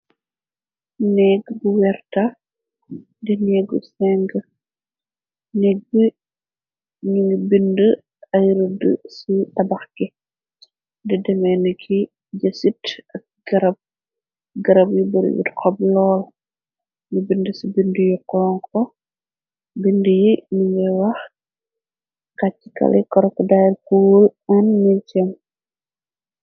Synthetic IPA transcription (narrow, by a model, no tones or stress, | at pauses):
nɛɡbuwɛrtɐ | dɛnɛɡusɛŋɡə | nɛɡ̚bə | ɲiŋɡibində | ɐjɾədə̰siʔɐbɐxkɛ | dɛdɛmɛnəkʰi | ɟɐsitʔɐk̚ɡɐɾɐb̚ | ɡɐɾɐbjibɐɾṵwḭtkʰɔblɔːl | ɲibindəsibindəjukːɔlɔŋkʰɔ | bindəjiniŋɡɛwɐx | kacːi̥kɐ̰lɛkɔɾɔkədajkulɐnːit͡ʃɛm